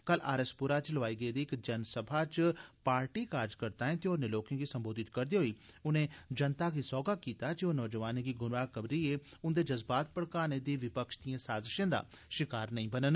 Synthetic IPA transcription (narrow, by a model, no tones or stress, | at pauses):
kəla̰ːɾəspʊɾat͡ʃləʋaːiːɡəid̪iːɪkd͡ʒənsəbʱat͡ʃpaːɾʈiːkaːɾd͡ʒkəɾt̪aːẽːt̪eonẽloːkẽːɡiːsə̃mboːd̪ɪt̪kəɾd̪iɦoiːʊnẽːd͡ʒənt̪aːkisɔːɡakiːt̪ad͡ʒionɔːd͡ʒəʋaːnẽɡiːɡʊnʋaːkəbɾieːʊnd̪eːd͡ʒəzbaːt̪̚pəɽkaːned̪iːʋɪpəkʃd̪ijãːsaːzɪʃãːd̪a̰ː | ʃɪkaːɾnəĩbənən